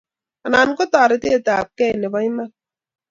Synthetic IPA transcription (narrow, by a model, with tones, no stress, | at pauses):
a˨na˨n˦kʊ˦taː˨ɾɪ˨te˦˨ta˨p̚kɛ˦˨ne˨ba˦ɲ˦ma˦